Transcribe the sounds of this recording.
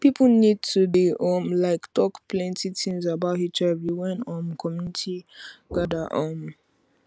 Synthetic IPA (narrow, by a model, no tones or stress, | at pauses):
pipʰlnid̚tʰudiʔɔmlaɪktʰɔkplɛ̃ntitʰĩmzabathit͡ʃavjiwɛ̃nɔ̃mkʰɔmjunitʰiɡ̥adaʔɔm